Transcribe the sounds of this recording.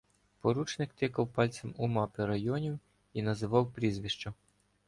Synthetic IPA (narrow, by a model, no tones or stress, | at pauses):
pɔɾut͡ʃnɪkt̪ɪkɐwpɑlʲt͡sʲɐmumɑpɪɾɐjɔnʲiw | inɐzɪʋɑwpɾʲizʋʲiʃt͡ʃɔ